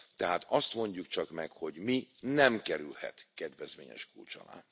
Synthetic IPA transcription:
t̪ɛɦaːt̪ɒst̪mo̞ɲɟukt͡ʃɒkmɛkho̞ɟminɛmkɛɾylhɛ̰t̪kɛd̪ʋɛzʋmḛːɲɛ̰ʃkult͡ʃɒ̰la̰ː

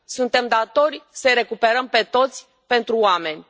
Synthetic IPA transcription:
sunt̪e̞md̪at̪o̞rʲsəjɾe̞kupe̞ɾəmpe̞t̪o̞t̪sʲ | pe̞nt̪ɾuame̞nʲ

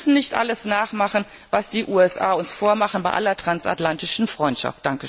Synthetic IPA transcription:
sn̩nɪçtʔa̰ləsnaːχmaχn̩ | vasd̥iːʔuːɛsʔaːʊnsfoːɐmaχn̩baɪʔa̰lɐtʁ̥ansʔa̰tlantɪʃn̩fʁ̥ɔʏntʃa̰ft̚d̥aŋkə

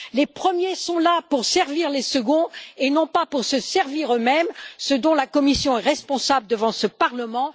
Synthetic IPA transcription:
lepχəmjesɔ̃lapuʁsɛʁviʁlesəɡɔ̃enɔ̃papuʁsəsɛʁviʁømɛmsəd̪ɔ̃lakɔmisjɔ̃ɛʁɛspɔ̃sabləd̪əvɑ̃səpaʁləmɑ̃

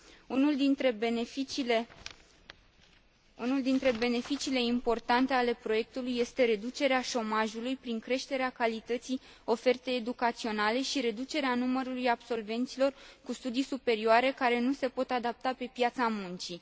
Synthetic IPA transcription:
unuld̪int̪ɾebeefiile | unuld̪int̪ɾe̞be̞ne̞fit͡ʃile̞impo̞rt̪ant̪e̞ale̞pɾo̞je̞k̚t̪ulujːe̞st̪e̞ɾe̞d̪ut͡ʃe̞ɾeaʃo̞maʒulujpɾiŋkɾe̞ʃt̪e̞ɾeakalit̪ət̪sij | o̞fe̞rt̪e̞ːd̪ukat̪sio̞nale̞ʃiɾe̞d̪ut͡ʃe̞ɾeanuməɾulujab̥so̞lve̞nt̪silo̞rkust̪ud̪ijsupe̞ɾioaɾe̞kaɾe̞nuse̞po̞t̪ad̪ap̚t̪ape̞pjat̪samunt͡ʃi

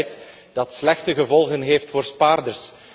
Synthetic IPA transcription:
jt | d̥ɑtslɛxtəɣəvɔlˠɣənɦeːftfoːrspaːrdərs

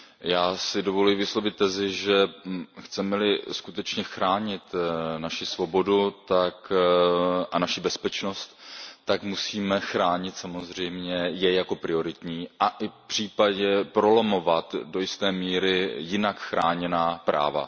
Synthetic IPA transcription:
jaːsɪdovo̞lujvɪslo̞vɪt̪̚ːɛzɪʒɛxt͡sɛmɛlɪskut̪ɛt͡ʃɲɛxɾaːɲɪt̪naʃɪsvo̞bo̞dut̪ak | ʔanaʃɪbɛspɛt͡ʃno̞st̪ːakmusiːmɛxɾaːɲɪt̪samo̞zr̝ɛjmɲɛjɛjako̞pɾɪo̞ɾɪt̪ɲiːʔaʔɪfpr̝̥iːpaɟɛpɾo̞lomo̞vat̪do̞jɪst̪ɛːmiːɾɪjɪnakxɾaːɲɛnaːpɾa̰ːva̰

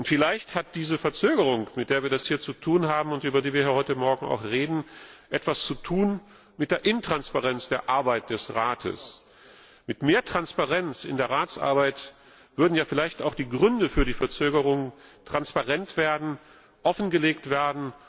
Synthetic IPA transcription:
ʔʊntfɪlaɪçthat̚d̥iːzəfɛɐt͡søːɡəʁ̞ʊŋmɪt̚d̥eːɐviːɐdashiːɐt͡sutʰuːnɦaːbm̩ʊntʔyːbɐdiːviɐiːɐhɔʏtəmɔɐɡŋ̩a̰ʊxʁeːdn̩ʔɛtv̥ast͡sutʰuːn | mɪt̚d̥eːɐʔɪntʁ̥anspaʁɛnsd̥eːɐʔaɐbaɪt̚d̥ɛsʁaːtʰə̰s | mɪtmeːɐtʁ̥anspaʁɛnt͡sɪ̰ndeːɐʁaːtt͡sʔa̰ɐbaɪt | v̥ʏɐdn̩jaːfɪlaɪçtaʊxd̥iːɡʁʏndəfyːɐdiːfɛɐt͡søːɡəʁʊŋtʁ̥anspaʁɛntv̥eːɐdn̩ | ʔɔfn̩ɡəleːk̚tv̥eːɐdn̩

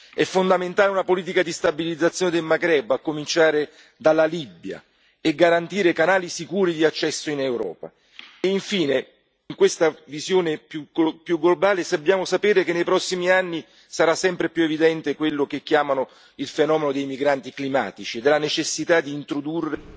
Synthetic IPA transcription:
ɛfːond̪ament̪aːleunapoliːt̪ikad̪ist̪abilid̪zat̪sːjoːned̪elmaɡɾɛbːakːomint͡ʃaːɾe | d̪alːalibja̰ | eɡːaɾant̪iːɾekanaːlisikuːɾid̪iat͡ʃːɛsːoinewɾɔ̰ːpa | eiɱfiːne | iŋkwest̪avizjoːnepupjuɡːlobaːlesabːjaːmosapeːɾekenːejpɾɔsːimianːi | saɾasːɛmpɾepjuevid̪ɛnt̪ekwelːok̟ekːjaːmano | ilfenɔːmenod̪ejmiɡɾant̪iklima̰ːt̪it͡ʃied̪elanet͡ʃesːit̪ad̪ːiːnt̪ɾod̪urːe

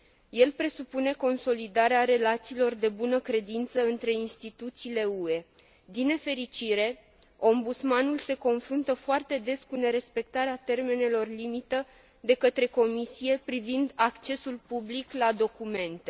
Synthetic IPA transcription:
je̞lpɾe̞supune̞ko̞nso̞lid̪aɾeaɾe̞lat̪siːlo̞rd̪e̞bunəkɾe̞d̪int̪səɨnt̪ɾe̞inst̪it̪ut̪siːle̞ue̞ | d̪ine̞fe̞ɾit͡ʃiɾe̞ | o̞mbut̪smanulse̞ko̞nfɾunt̪əfoart̪e̞d̪e̞skune̞ɾe̞spe̞k̚t̪aɾeat̪e̞rme̞ne̞lo̞rlimit̪ə | d̪e̞kət̪ɾe̞ko̞misije̞pɾivind̪akt͡ʃe̞sulpubliklad̪o̞kume̞nt̪e

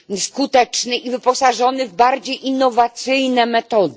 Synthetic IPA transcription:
skut̪ɛt͡ʂnɘʔivɘpɔsaʐɔnɘvbaɾd͡ʑejʔinːɔvat̪sɘjnɛmɛt̪ɔd̪

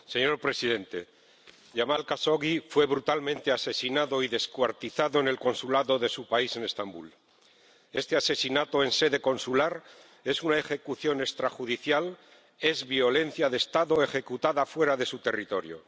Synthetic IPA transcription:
se̞ɲo̞ɾpɾe̞siðe̞nt̪e̞ | ʝamalkaso̞ɣifwe̞βɾut̪almẽ̞nt̪e̞ase̞sinaðo̞iðe̞skwaɾt̪iθaðoene̞lko̞nsulaðo̞ðesupaise̞ne̞st̪ambṵl | e̞st̪e̞ase̞sinat̪oe̞nse̞ðe̞ko̞nsulaɾ | e̞sunae̞xe̞kuθjo̞ne̞kst̪ɾaxuðiθjal | e̞zβjo̞le̞n̟θjaðe̞st̪aðo̞e̞xe̞kut̪aðafwe̞ɾaðe̞sut̪e̞rit̪o̞ɾjo̰

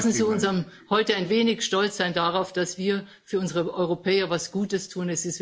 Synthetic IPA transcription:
sn̩ziːʊnzam | hɔʏtəaɪnveːnɪçʃtɔlt͡sz̥aɪndaʁaʊfd̥asv̥iːɐ | fyːɐʊnzəʁəʔɔʏʁopʰɛːɐvasɡ̥uːtəstʰuːnɛsɪst

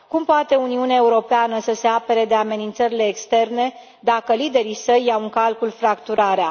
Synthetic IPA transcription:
kumpoat̪e̞uniuneaeuɾo̞peanəsəse̞ape̞ɾe̞d̪e̞ame̞nint̪səɾile̞ːkst̪e̞rne̞ | d̪akəlid̪e̞ɾisəjːawɨŋkalkulfɾakt̪uɾaɾea

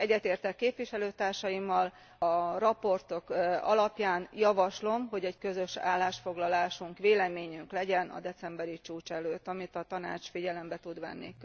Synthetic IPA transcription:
ɛɟːɛt̪eːrt̪ɛkːeːpvʋiʃɛløːt̪aːrʃɒjimːɒl | ɒrɒpo̞rt̪o̞kɒlɒpjaːnjɒvɒʃlo̞mɦo̞ɟɛckø̞zøʃa̰ːlːaːʃfo̞ɡlɒlaːʃuŋkʋeːlɛmeːɲyŋklɛɟɛnɒ̰d̪ɛt̪sɛmbɛɾit͡ʃuːt͡ʃɛløːt̪ːɒmit̪ɒt̪ɒna̰ːt͡ʃfiɟɛlɛmbɛt̪ud̪ʋɛ̰nːḭk

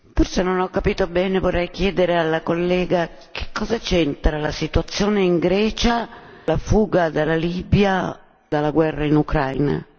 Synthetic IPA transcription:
forsenonɔkːapiːt̪obɛːnevorːɛjk̟jɛːd̪eɾealːakolːɛːɡa | kʰe̥kːɔːzat͡ʃɛnt̪ɾalasit̪uat̪sːjoːneiŋɡɾɛːt͡ʃalafuːɡad̪alaliːbja | d̪alːaɡwɛrːainukɾajna̰

